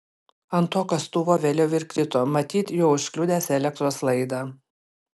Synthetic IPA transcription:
ɐnt̪oːkɐst̪uːʋoːʋʲeːlʲɛʊɪɾkɾʲɪt̪oːmɐt̪ʲiːt̪joːʊʃʲklʲʊd̪ʲeːsɛlʲɛk̚t̪ɾoːslˠɐɪd̪ɑ

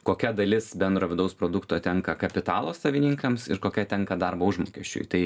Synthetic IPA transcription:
koːkʲɛd̪ɐlʲɪsbʲɛnd̪ɾoːʋʲɪd̪ɐʊspɾoːd̪ʊkt̪oːt̪ʲɛŋkɐkɐpʲɪt̪ɑːlˠoːsɐʋʲɪnʲiŋkɐmsɪ̰ɾkoːkʲɛt̪ʲɛŋkɐd̪ɐrboːʊʒmo̰ːkʲɛʃʲt͡ʃʲʊ̰jt̪ɐɪ

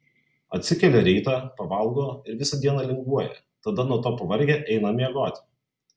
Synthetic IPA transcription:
ɐt̪ʲsʲɪkʲɛlʲɛɾʲɛɪt̪ɑːpɐʋɐlˠˑɡoːɪɾʋʲɪsɐd̪ʲiɛnɐlʲɪŋɡʋuɔjɛ̰ | t̪ɐd̪ɐnuɔt̪oːpɐʋɐɾʲɡʲɛːʔɛɪnɐmʲiɛɡoːt̪ʲ

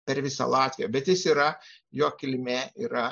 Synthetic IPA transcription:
pʲɛɾʋʲɪsɐ̰lˠɑːt̪ʲʋʲɪjoːbʲɛt̪jɪsiːɾɐjoːkʲɪlʲmʲeːiːɾɐ

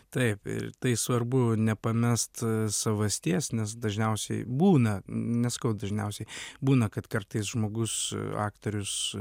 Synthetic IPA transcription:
t̪ɐɪpɪ̰rt̪ɐɪsʋɐrbʊnʲɛpɐmʲɛst̪sɐʋɐsʲt̪ʲiɛsnʲɛs̬d̪ɐʒʲnʲɛʊsʲɛ̰ɪbuːnɐnʲɛsɐ̥kɐʊd̪ɐʒʲnʲɛʊsʲɛɪbuːnɐkɐt̪kɐrt̪ɐɪsʒmoːɡʊsɑ̰ːkt̪oːɾʲʊs

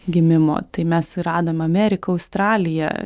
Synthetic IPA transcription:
ɡʲɪmʲɪmo̰ːt̪ɐɪmʲɛsɾɑːd̪oːmʲɐmʲɛːɾʲɪkɐɐʊst̪ɾɑːlʲɪjɛ̰

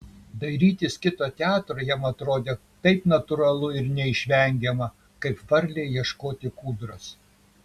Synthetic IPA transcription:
d̪ɐɪɾʲiːt̪ʲɪskʲɪt̪oːt̪ʲæːt̪ɾoːjɛmɐt̪ɾoːd̪ʲeː | t̪ɐɪpnɐt̪ʊɾɐlˠʊɪɾnʲɛɪʃʲʋʲɛŋʲɡʲɛmɐ | kɐɪpfɐɾʲlʲeːjiɛʃkoːt̪ʲɪkuːd̪ɾɐs

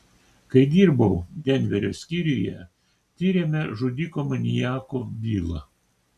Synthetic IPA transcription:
kɐɪd̪ʲiːɾbɐʊɡ̪ʲɛnʲʋʲɛɾʲoːsʲkʲiɾʲɪjɛ̰ | t̪ʲiːɾʲemʲɛʒʊd̪ʲikoːmɐnʲɪjæːkoːbʲiːlˠɐ

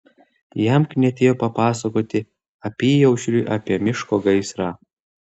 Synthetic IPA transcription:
jɛmknʲɛt̪ʲeːjoːpɐpɑːsɐkoːt̪ʲɪ | ɐpʲiːjɛʊʃʲɾʲuːʔɐpʲiɛmʲɪʃkoːɡɐɪsɾɑː

